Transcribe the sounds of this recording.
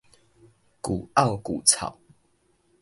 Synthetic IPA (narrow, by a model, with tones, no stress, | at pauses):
kṵ˨˩a˥˨wku˨˩t͡sʰa̰˨˩˦w